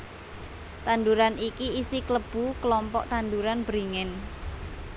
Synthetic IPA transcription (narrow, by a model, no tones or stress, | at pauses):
t̪and̪uɾanikiisikləb̥ṳkəlɔmpɔʔt̪and̪uɾanb̥ɾiŋɪn